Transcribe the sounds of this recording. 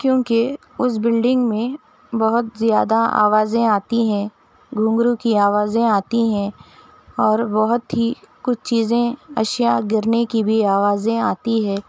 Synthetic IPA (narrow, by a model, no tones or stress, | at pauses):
kjõːke | ʊs̬bɪlɖɪ̃ŋɡmẽ | bɐɦʊt̪zjaːd̪aa̰ːʋaːzẽaːt̪iɦɛ̃ | ɡʱũːŋɡɾukiaːʋaːzẽaːt̪iɦɛ̃ | ɔːɾbɐɦʊt̪ɦikʊt͡ʃʰt͡ʃiːzẽɐ̰ʃjaɡɪɾnekibʱiaːʋaːzẽaːt̪iɦɛ̃ː